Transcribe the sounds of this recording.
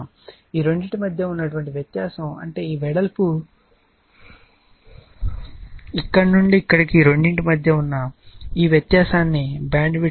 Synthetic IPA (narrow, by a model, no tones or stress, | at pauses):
m | iːɾoɳɖiʈimɐd̪ʱjɐunːɐʈuʋɐɳʈiʋjɐt̪jaːsɐmɐ̰ɳʈe̞ːiːʋɛɽɐlpu | ikːɐɽɐnuɳɖiːkːɐɽikiːɾo̞ɳɖiɳʈimɐd̪ʱjɐunːɐiːʋjɐt̪jaːsaːnːibaːɳɖʋi